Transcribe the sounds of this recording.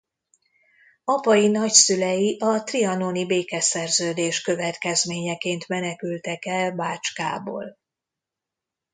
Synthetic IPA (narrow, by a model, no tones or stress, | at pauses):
ɒpɒjinɒcsylɛjiʔɒt̪riɒnonibeːkɛsɛrzøːd̪eːʃkø̞vɛt̪kɛzmeːɲɛkeːnt̪mɛnɛkylt̪ɛkɛlbaːt͡ʃka̰ːbo̰ːl